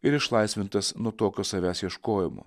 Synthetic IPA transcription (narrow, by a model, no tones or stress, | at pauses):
ɪɾɪʃlˠɐɪsʲʋʲɪnt̪ɐsnuɔt̪oːkʲoːsɐʋʲæːsjiɛʃkoːjɪmo̰ː